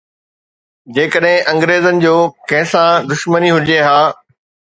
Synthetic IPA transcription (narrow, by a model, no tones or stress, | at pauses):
d͡ʑeːkəɗɦɪ̃ʔɐ̃ŋɡɾeːzənɪ̆d͡ʑoːkɐ̃ɦɪ̃sãd̪ʊʃməniɦʊd͡ʑeɦaː